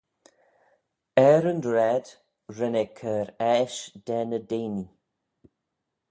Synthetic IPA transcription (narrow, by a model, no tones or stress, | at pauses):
ɛɾəndɹɛd̥ | ɹənɛkʰəɾɛʃd̥ɛnədejni